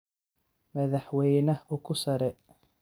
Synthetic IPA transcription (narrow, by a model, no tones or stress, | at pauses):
mɐðɐħwɛjnɐʊkʰʊsɐɾɛ